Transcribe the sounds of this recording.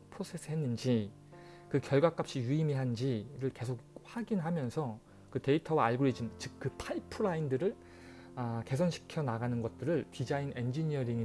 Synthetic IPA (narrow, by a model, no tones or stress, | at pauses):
pʰɾosʰe̞s͈ʰɯɦe̞nːɯnd͡ʑi | kɯkjʌɭɡwak͈ap̚ɕ͈ijuimiɦand͡ʑiɾɯɭke̞sʰok̚ɸwaɡinɦamjʌnsʰʌ | kɯte̞itʰʌwaːɭɡuɾid͡ʑimt͡ɕɯk̚kɯpʰaipʰɯɾaindɯɾɯɭ | ake̞s̬ʰʌnɕʰi̥kʰjʌnaɡanɯnɡʌt̚t͈ɯɾɯɭtid͡ʑaine̞nd͡ʑiɲiʌɾiŋi